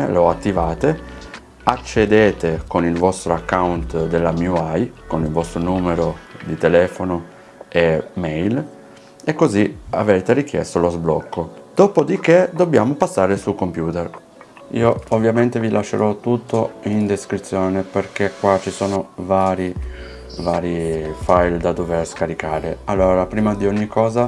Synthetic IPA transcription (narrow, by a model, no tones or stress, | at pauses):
loat̪ːivaːt̪e | at͡ʃːed̪eːt̪ekonilvɔst̪ɾoakːawnt̪d̪elːamjuajkonilvɔst̪ɾonuːmeɾod̪it̪elɛːfono | emɛjl | ekːozia̰veːt̪erik̟jɛ̰st̪olozblɔ̰kːod̪̥oːpod̪ik̟ed̪obːjaːmopasːaːɾesukompjuːt̪er | iːoovːjament̪evilʔaʃːḛɾɔt̪ːut̪ːoind̪eskɾit̪sːjɔːneperkekːwat͡ʃːisɔːnovaːɾi | vaːɾifajld̪ad̪overskaɾikaːɾealːoːɾapɾiːmad̪ioɲːikːɔːza